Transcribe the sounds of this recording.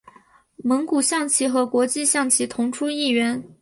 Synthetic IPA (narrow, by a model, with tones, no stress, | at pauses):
mɤ˧˥ŋku˨˩ɕjɑ˥˩ŋt͡ɕʰi˧˥xɤ˧˥kwɔ˧˥t͡ɕi˥˧ɕjɑ˥˩ŋt͡ɕʰi˧˥t̪ʰʊ˧˥ŋʈ͡ʂʰu˥i˥˩ɥɛ˧˥n